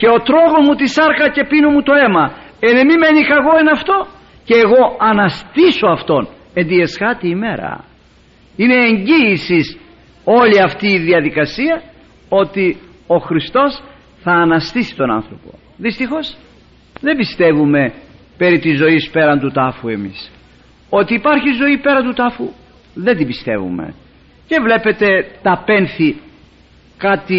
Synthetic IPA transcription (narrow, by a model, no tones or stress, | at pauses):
ce̞o̞t̪ɾo̞ɣo̞zmut̪isɐɾkɐce̞pinumut̪o̞e̞mɐe̞nemime̞nikɐɣo̞enɐft̪o̞ | ce̞ːɣo̞ɐnɐst̪iso̞ɐft̪o̞n | e̞nd̪ie̞sɣɐt̪iːme̞ɾɐ̰ | ine̞ːɲɟiːsis | o̞liɐft̪iːðiɐðikɐsiɐ | o̞t̪i | o̞xɾist̪o̞s | θɐːnɐst̪isi̥t̪o̞nɐ̰nθɾo̞po̞̰ | ðist̪ixo̞s | ðe̞bist̪e̞vume̞ | pe̞ɾit̪izːo̞ispe̞ɾɐnd̪ut̪ɐfue̞mis | o̞t̪iːpɐɾçizo̞ipe̞ɾɐnd̪ut̪ɐfu | ðe̞nd̪ibist̪e̞̰vṵme̞̰ | ce̞vle̞pe̞t̪e̞t̪ɐpe̞nθi | kɐt̪i